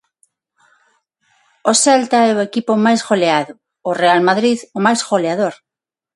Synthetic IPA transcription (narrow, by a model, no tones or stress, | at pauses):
osɛlt̪aɛoekipomajzɣoleaðo | orealmaðɾiðomajzɣoleað̞oɾ